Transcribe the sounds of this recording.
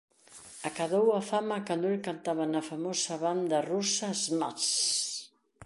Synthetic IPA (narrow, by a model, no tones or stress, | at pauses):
akaðowafamɐkand̪oelkant̪aβɐnɐfamosɐβand̪ɐrusazmas